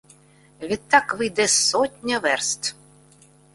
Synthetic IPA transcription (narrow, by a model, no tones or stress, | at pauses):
vʲitt̪ːakʋɨjd̪ɛsɔt̪ʲnʲɐvɛrst̪